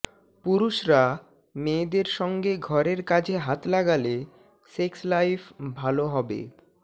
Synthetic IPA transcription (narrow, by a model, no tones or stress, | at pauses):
puɾuʃɾa | med̪eɾʃɔŋɡeɡʱɔɾeɾkad͡ʑʰeɦat̪laɡale | sekslajfbʱaloɦɔbḛ